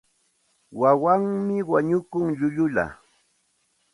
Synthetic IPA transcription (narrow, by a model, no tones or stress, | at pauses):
wawaŋmɪwaɲʊkʊŋʎʊʎʊla̰